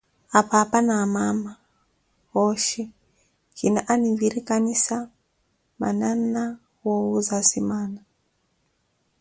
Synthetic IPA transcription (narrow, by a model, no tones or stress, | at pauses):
apaːpanamama | wɔʃɛ | kinaʔaniviɾikanisa | ma̰nana | wowuzasimana